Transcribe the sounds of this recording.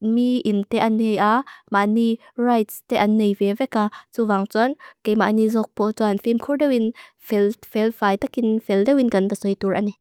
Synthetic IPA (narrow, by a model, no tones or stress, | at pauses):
miʔint̪ɛʔɐnːejʔamaʔni | rajtst̪ɛʔɐnːejvɛvɛkat͡suvaŋt͡sunkejmanizɔk̚pɔt͡sɔanfimkʰurdɛwinfɛlfɛlfajt̪akinfɛldɛwinkɐnbəsɔjt̪urʔani